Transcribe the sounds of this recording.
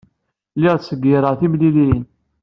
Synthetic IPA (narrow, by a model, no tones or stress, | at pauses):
lɪʁsəɡiɾˤəθimlilin